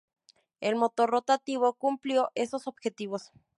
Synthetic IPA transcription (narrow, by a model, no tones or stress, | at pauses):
elmot̪orot̪at̪iβokumpljoʔesosobxet̪iβos